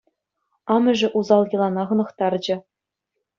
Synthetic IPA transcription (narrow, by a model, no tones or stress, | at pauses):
ɑmɘ̆ʐɘ̆ʔuzɑlˠjɤ̆lˠɑnɑʁɤ̆nɤ̆χt̪ɑrd͡ʑɘ̆